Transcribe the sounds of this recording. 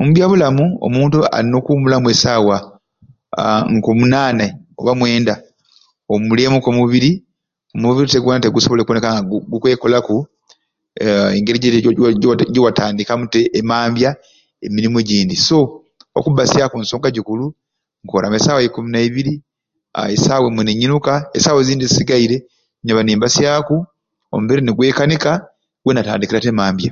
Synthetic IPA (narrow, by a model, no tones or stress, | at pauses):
omubjaβulamuo̰muːntua̰ɾino̞kuːmulamue̞saːwa | ŋkomunaːnao̰βamwe̞ːnda | omuleːmukomuβiɾi | omuβiɾite̞ɡwoːnate̞ɡusoβolekwonekaŋɡaɡukwe̞ːko̞laku | eŋɡeɾiɟe | ɟowataːndikamuteʔːmaːmbja | emiɾimoeɟiːndiso̞ | o̰kubasjakunso̞ːŋɡaɟikulu | ŋkoːɾʔa̰mesaːwekuminaiβiɾi | a̰ḛsaːwemuneɲːinukaḛsaweziːndizisiɡaiɾe̞ | ɲaβaniːmbasjaku | o̰muβeɾineɡwe̞ːkanika | ɡ̥wenata̰ːndikiɾatemaːmbja